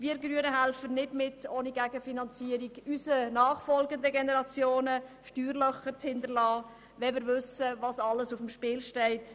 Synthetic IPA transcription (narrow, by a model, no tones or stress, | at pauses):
ʋiːəɾɡɾyənəɦælfənɪdmɪtoːniɡæɡ̥əfinɑnt͡siəɾiɡysənɑːχfɔlɡəndəɡenɛɾɑt͡sjoːnəʃtyːɾlœχət͡shɪndəɾlɑː | ʋɛmɪːɾʋʏsəvɑsɑlːəsʊfəmʃpɪːlʃtɛɪt